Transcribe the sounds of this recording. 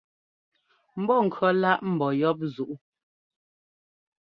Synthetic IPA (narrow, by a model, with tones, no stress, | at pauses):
m̩˦bɔ˦˨ŋ̩˨kʰɥɔ˨˦la˦ʔm̩˨bɔ˨jɔ˦p̬̚zu˨ʔu˦